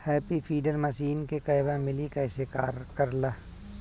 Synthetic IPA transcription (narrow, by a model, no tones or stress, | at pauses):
hɛːpipʰiːɖəɾmɐʃiːnkekɐɪbamɪlikɛːsekaːɾkəɾlaː